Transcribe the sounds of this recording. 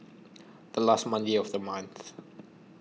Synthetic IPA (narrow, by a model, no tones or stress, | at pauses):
ð̥əlastmãndeɔvðəmãj̃nθ